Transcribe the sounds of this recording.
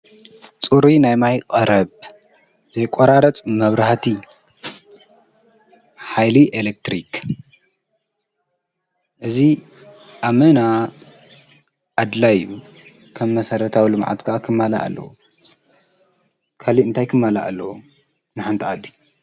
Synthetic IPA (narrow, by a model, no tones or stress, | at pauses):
t͡sʼuɾinajmajqʼɐɾɐβ | z̥ɐjkʷʼoɾaɾɐt͡sʼmɐβɾaħt̪ʰi | ħajliʔelek̚t̪ɾik | ʔɨzi | ʔamɐna | ʔad̪lajju | kʰɐmːɐsɐɾɐt̪ʰawilɨmʕa̰t̪kʰaʔakʰɨmːala̰ʔa̰lːɐ̰wṵ | kʰaliɨnt̪ʰajkʰɨmːala̰ʔa̰lːɐwu | nɨħant̪ʰiad̪ːi